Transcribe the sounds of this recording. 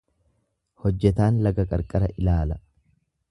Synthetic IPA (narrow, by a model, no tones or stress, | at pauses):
hɔd͡ʒːɛt̪aːnlɐɡɐkʼɐ̰ɾkʼɐɾɐʔɪlaːlɐ